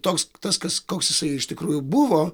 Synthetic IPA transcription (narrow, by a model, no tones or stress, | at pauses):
t̪oːkst̪ɐskɐskoːksjɪsɐɪɪʃt̪ʲɪkɾuːjʊbʊʋoː